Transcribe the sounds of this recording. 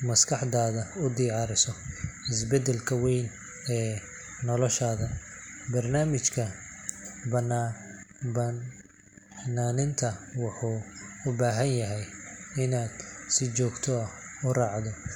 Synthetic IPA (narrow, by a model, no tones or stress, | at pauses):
mɐskʰɑħd̪aːðɐʊd̪iːʕɑɾɪsɔɪs̬bɛd̪ɛlkʰɐwɛjn | ɛː | nɔlɔʃaːðɐbɐrnaːmɪt͡ʃkʰɐ | bɐn | b | naːnɪnt̪ʰɐwɑħuːʊbaːɦɐnjɐɦɛjɪnaːd̪sɪt͡ʃɔːɡt̪ʰɔɐh | ʊrɑːʕd̪ɔ